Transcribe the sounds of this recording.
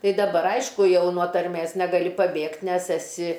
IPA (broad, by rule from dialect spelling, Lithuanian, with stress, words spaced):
ˈtɐɪ dɐˈbɐr ˈɐɪʃkʊ ˈjɛʊ nuɔ tɐrʲˈmʲeːs nʲɛɡɐˈlʲɪ pɐˈbʲeːktʲ ˈnʲɛs ɛˈsʲɪ